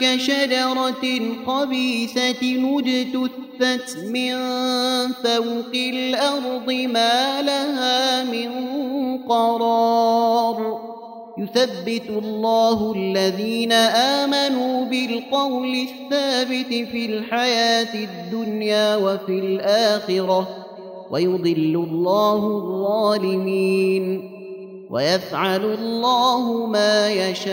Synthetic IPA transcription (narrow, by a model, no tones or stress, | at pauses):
kaʃad͡ʒɑɾˤɑqɑbiːsanʊd͡ʒɪt̪ʊθːat̪mɪn | θawqɪlʔɑɾˤd̪ˤɨmaːlahaːmɪnqɑɾˤɑ | ɾˤ | jʊθabːɪt̪lːɑːhʊalːaðiːnaʔaːmanuːbɪlqɑwlɪθːaːbɪt̪filħajaːt̪ɪd̪ːʊnjaːwafilʔaːxɪɾɑ | wʔa̰jʊd̪ˤɨlːʊlˤːɑːhʊðˤːɑːlɪmiːn | wʔa̰jafʕalʊlˤːaːhʊmaːjaʃaː